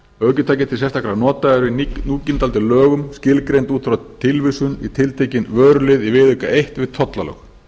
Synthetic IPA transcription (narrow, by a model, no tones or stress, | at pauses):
œcʏt̪ʰaːjcɪt̪ʰɪls̬ɛst̪akɾanɔːt̪aɛɾvɪnuːcɪnt̪alt̪ɪlœːɣʏmscɪlkɾejnt̪uːt̪fɾat̪ʰɪlvɪsʏnḭt̪ʰɪlt̪ʰejcɪnvœːɾʏlɪðivɪːðʏkaʔejht̪vɪð̥t̪ʰɔt̪lalœ̰x